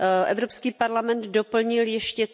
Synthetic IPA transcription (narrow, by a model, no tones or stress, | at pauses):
ʔɛ̰vɾo̞pskiːpaɾlamɛnd̪dopl̩ɲɪljɛʃcɛt͡s